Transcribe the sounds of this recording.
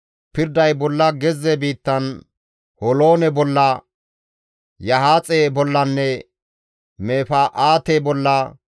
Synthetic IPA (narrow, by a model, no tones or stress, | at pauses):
pɪɾd̪ɐjbɔlːɐɡɛzːɛbiːt̪ːɐn | hɔlo̞ːnɛbɔlːɐ | jɐɦaːt͡sʼebɔlːɐnːɛ | meːfɐʔaːt̪ebɔlːɐ